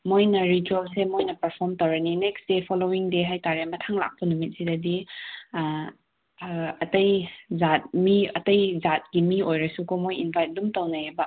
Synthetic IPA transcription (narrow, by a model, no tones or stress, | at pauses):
mojnɐɾituelsemojnɐpɐɾpʰɔɾmtɐwɾɐnineksdepʰɔlowiŋdeɦajtaɾemɐtʰaŋla̰k̚pɐnumit̚sidɐdi | ɐtɐjzat̚miɐtɐjzat̚ɡ̥imiojɾɐsukomojinbʱajt̚dumtawnajeba